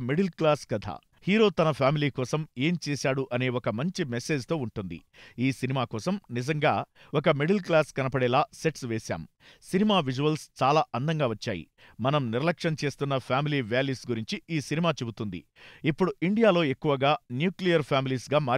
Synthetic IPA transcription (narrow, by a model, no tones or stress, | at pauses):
miɽɐlklaːskɐd̪ʱa̰ː | hiːɾo̞ːt̪ɐnɐpʰaːmiliːkɔːsɐme̞ːmt͡ʃɛːsaːɽuʔɐne̞ːɔkɐmɐɲt͡ʃimese̞ːd͡ʒt̪o̞ːuɳʈund̪ḭiːsinimaːkɔːsɐmnizɐŋɡaː | ɔkɐmiɖɐlklaːskɐnɐpɐɽɛːlaːse̞ʈsʋeːsa̰ːm | sinimaːʋid͡ʒuʋɐlst͡ʃaːlaːʔɐnd̪ɐŋɡaːʋɐt͡ʃːa̰ːjḭ | mɐnɐmniɾɐlɐkʂɐnt͡ʃe̞ːst̪unːɐpʰjaːmiliːʋjaːljuːsɡuɾiɲt͡ʃiiːsinimaːt͡ʃebut̪und̪ḭipːuɽuiɳɖijaːlo̞ːe̞kːuʋɐɡaːnjuːklijɐɾpʰaːmiliːsɡaːmaː